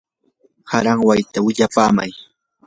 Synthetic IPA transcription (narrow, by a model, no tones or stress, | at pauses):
haɾaŋwajt̪awɪʎapaːma̰j